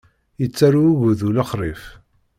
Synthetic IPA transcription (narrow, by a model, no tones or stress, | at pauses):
jət͡sːaɾuʝuðulɑχɾˤif